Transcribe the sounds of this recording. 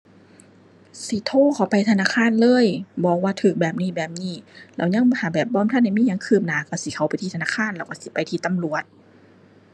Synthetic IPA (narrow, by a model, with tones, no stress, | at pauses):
si˧˦t̪ʰoː˧˥˨kʰa˨˧˩wpa˧˩jt̪ʰa˧naː˧˥˨kʰaː˧˥˨nlɤː˧˥˨jbɔː˧˩k̚waː˧˩t̪ʰɯː˨˩k̚bɛː˨˩p̚niː˧˩˨bɛː˨˩p̚niː˧˥˩lɛ̰˧˩wɲa˧˥˨ŋhʰa˧˩bɛː˨˩p̚bɔː˧˥˨mt̪ʰa˧˥˨nha˧˩jmiː˧˥˨ɲa˧˨ŋkʰɯː˧˩p̚naː˨˩˦ka˧˩si˧˦kʰa˧˦wpa˨˦jt̪ʰiː˧t̪ʰnaː˧˥˩kʰaː˧˥˨nlɛː˧˩wka˧˩˨si˧˦pa˨jt̪ʰiː˧t̪a˧˨mlu˨˩ət̪̚